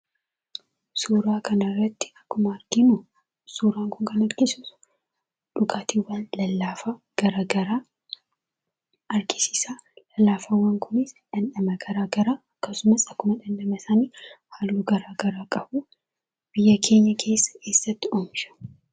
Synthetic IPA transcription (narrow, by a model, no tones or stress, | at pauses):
suːɾaːkʰɐnɐrːɐt̪ːɪ̥ɐkːʊmɐɐɾɡɪnʊ | suːɾaːŋkʊŋkɐnɐɾɡɪsʊ̥ | ᶑʊɡaːt̪iwːaːnlɐlːaːfa | ɡ̥ɐɾaːɡɐɾaː | ɐɾɡɪsɪ̥saːlɐlːaːfɐwːaŋkʰʊnɪsᶑɐnᶑɐmɐɡɐɾaːɡɐɾaːɐkːɐsʊmɐsɐkːʊmɐᶑɐnᶑɐmɐsaːniːhaːlːuːɡɐɾaːɡɐɾaːkʼɐbu | b̥ɪjːɐkʰe̞ːɲːɐkʰe̞ːsːɐ̥ke̞ːsːɐt̪ːɪoːmʃɐ̥